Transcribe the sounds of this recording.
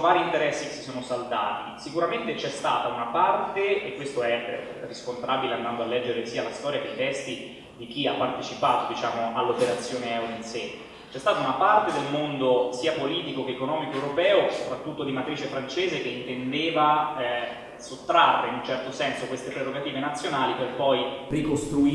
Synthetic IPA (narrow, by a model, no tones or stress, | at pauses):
vaːɾiːnt̪eɾɛsːike̥sːi̥soːnosalt̪a̰ːt̪isikuɾament̪et͡ʃɛst̪aːt̪aunapart̪eekːwest̪oɛ | riskont̪ɾaːbileand̪and̪oalːɛd͡ʒːeɾesiːalast̪ɔːɾjakeit̪ɛst̪i | d̪ik̟iapːart̪et͡ʃipaːt̪od̪it͡ʃaːmoʔalːopeɾat̪sːjoːneɛwleinse | t͡ʃɛst̪aːt̪aunapart̪ed̪elmond̪osiːapoliːt̪ikokeːkonɔːmikoewɾopɛːosopɾat̪ːut̪ːod̪imat̪ɾiːt͡ʃefɾant͡ʃeːzek̟eint̪end̪eːva | sot̪ːɾarːeinunt͡ʃɛrt̪osɛnsokwest̪epɾerːoɡat̪iːvenat̪sːjonaːliperpɔjrikost̪ɾui